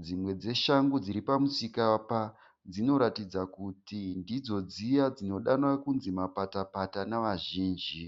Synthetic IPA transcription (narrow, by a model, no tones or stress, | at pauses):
d͡zimwe̞d͡ze̞ʃaŋɡud͡ziɾipamusikapa | d͡zino̞ɾatid͡zakutindid͡zo̞d͡zijad͡zino̞ɗanwakunzimapatapatanaʋaʒiːnd͡ʒi